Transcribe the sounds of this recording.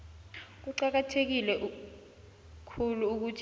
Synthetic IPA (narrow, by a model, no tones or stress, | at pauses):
k̬uǃak̬atʰek̬ilɛʔu | kʰuluuk̬utʰ